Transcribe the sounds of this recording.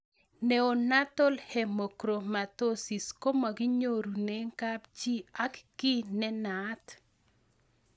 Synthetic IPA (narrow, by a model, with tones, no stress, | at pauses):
ne˨o˨na˦t̪o˦lhɛ˨mo˨kɾo˨ma˨t̪o˦si˨sko˦ma˨ɡi˦ɲo˦ɾu˨ne˦ŋka˦pt͡ʃi˦a˦kki˦nɛ˦nat̪